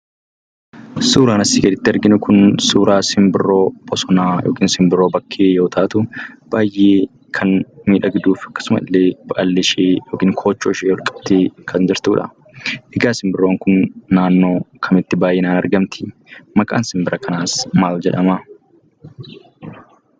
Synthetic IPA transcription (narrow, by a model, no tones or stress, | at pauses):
suːɾaːnɐsiːɡɛd̪ɪt̪ːɪɐɾɡɪnʊkʊnsuːɾaːsɪmbɪrːo̞ːbʼɔsɔnaːjo̰ːkiːnsɪmbɪrːo̞ːbɐkʰːeːjo̞ːt̪ʰaːt̪ʊb̥aːjʔeː | kʰɐnmiːᶑɐɡɪd̪uːfɐ̥kːɐ̥sʊmɐɪlːeːb̥ɐʔɐlːɪʃeːjoːkiːŋkʰo̞ːt͡ʃːoːʃeːɔlkʼɐ̥b̚t̪eːkʰɐnd͡ʒɪɾt̪uːᶑɐ̰ | ʔɛɡaːsɪmbɪrːoːŋkʊnːaːnːo̞ːkʰɐmɪt̪ːɪbaːjeːnaːnɐɾɡɐmt̪ʰɪ̥mɐkʼa̰ːnsɪmbɪɾʔɐkɐnaːsmaːld͡ʒɛᶑɐma